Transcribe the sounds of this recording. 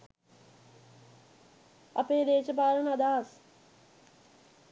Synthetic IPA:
ɐ̰peːd̪eːt͡ʃəpaːɾɐnɐd̪aːɦɐs

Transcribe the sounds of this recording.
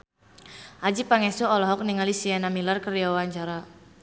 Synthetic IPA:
ʔad͡ʒipaŋɛsuɔlɔɦɔk̚niŋalisianamilarkəriawaɲt͡ʃaɾa

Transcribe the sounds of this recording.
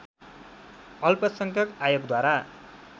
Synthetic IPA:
ʌlpʌsʌŋkʰjʌkajoɡd̪waɾa

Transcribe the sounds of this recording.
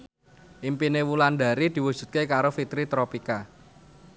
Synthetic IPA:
ʔimpinewuland̪a̤ɾid̪̥i̤wud̥ʒ̥ṳt̪̚kekaɾofit̪ɾit̪ɾopika

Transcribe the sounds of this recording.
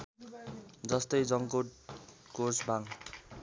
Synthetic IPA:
d͡zʌst̪ʌjd͡zʌŋkoʈ | korsbʱaŋ

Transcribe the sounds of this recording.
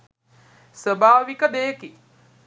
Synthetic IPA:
səbaːʋikəd̪eːki

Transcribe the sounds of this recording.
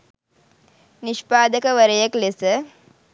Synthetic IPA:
nɪʂpaːd̪ɐkɐʋɐɾɐjɐklesɐ

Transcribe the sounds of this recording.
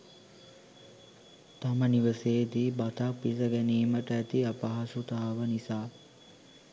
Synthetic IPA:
t̪aməniʋəseːd̪ibat̪akʋisəɡæniːməʈəæt̪iapaɦasut̪aɦaʋənisaː

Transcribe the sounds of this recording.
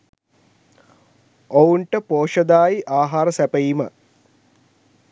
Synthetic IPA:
ouɳʈəpoːʃɐd̪aːjiʔaːɦaːɾəsæpejimə

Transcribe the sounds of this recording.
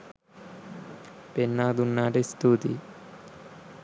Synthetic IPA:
penːaːd̪unːaːʈest̪uːt̪ḭ

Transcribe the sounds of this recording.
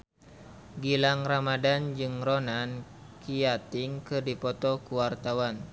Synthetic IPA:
ɡilaŋramadand͡ʒɨŋrɔnan | kijat̪iŋkɨrdipɔt̪ɔkuwart̪awan

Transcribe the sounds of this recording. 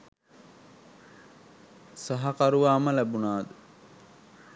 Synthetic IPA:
saɦɐkaɾuʋaːməlæbunaːd̪u

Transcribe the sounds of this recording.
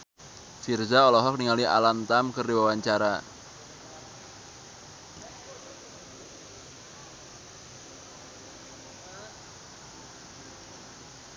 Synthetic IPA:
firzaɔlɔɦɔk̚niŋaliʔa̰lant̪amkərdiwawaɲt͡ʃaɾa

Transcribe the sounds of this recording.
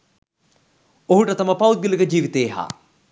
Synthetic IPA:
oɦuʈət̪aməpawuiliɡəd͡ʒiːʋit̪eːɦa̰ː

